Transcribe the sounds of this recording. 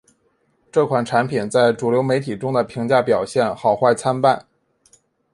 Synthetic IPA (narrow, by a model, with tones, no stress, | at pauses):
ʈ͡ʂɤ˥˩kʰwa˨˩nʈ͡ʂʰa˧˥npʰi˨˩nt͡sa˥˩ɪʈ͡ʂu˨˩ljo˧˥ʊme˧˥ɪt̪ʰi˨˩ʈ͡ʂʊ˥ŋd̪ə˨pʰi˧˥ŋt͡ɕja˥˩pjɑ˨˩ʊɕjɛ˥˩nxɑ˨˩ʊxwa˥˩ɪt͡sʰa˥npa˥˩n